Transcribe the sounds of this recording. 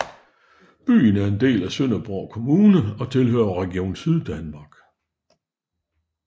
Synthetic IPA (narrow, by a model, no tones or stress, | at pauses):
b̥y̰ːn̩æɐe̝nd̥e̝̰ːlæsøn̰ɐb̥ʁɒʊkʰo̝muːnəɒ̽t͡sʰe̝lɦø̰ːɐʁɛɡ̥io̝̰ːnsyð̞ˠd̥ænmɑ̈ɡ̥